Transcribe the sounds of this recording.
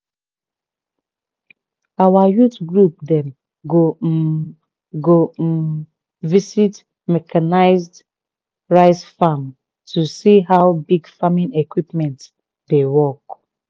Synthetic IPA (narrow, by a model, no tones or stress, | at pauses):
awajutɡɹup̚dɛ̃m | ɡo | ɡom̩ | visit | mɛkʰanaɪzd | ɹaɪsfam | tʰusiɦaʊbiɡfamĩnekwipmɛ̃nt | dewɔk